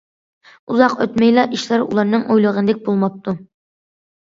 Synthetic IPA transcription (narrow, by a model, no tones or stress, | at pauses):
uzɑqøt̪mɛjlˠɑʔiʃlæɾṵlˠɑɾnɨŋʔojlˠəʁənd̪ɪk̚ʲbolˠmɑp̚t̪ʰu